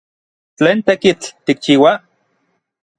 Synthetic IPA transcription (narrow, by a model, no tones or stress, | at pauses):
t͡ɬeːnt̪ekit͡ɬt̪ik̚t͡ʃiːwa